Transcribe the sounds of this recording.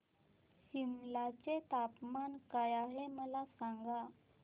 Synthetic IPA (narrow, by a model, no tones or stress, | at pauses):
ɕimlat͡set̪apmankajaɦeməlasaŋɡa